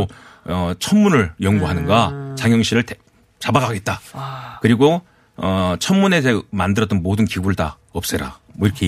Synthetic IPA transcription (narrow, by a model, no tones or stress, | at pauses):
oʌt͡ɕʰʌnmunɯɭjʌŋɡuɦanɯnɡat͡ɕaŋjʌŋɕʰiɾɯɭt | t͡ɕabaɡaɡe̞t̚t͈akɯɾiɡo | ʌt͡ɕʰʌnmune̞emandɯɾʌt͈ʌnmodɯnkiɡuɭda̰ | ʌp̚s͈ɯɾa̰mʌiɾʌkʰe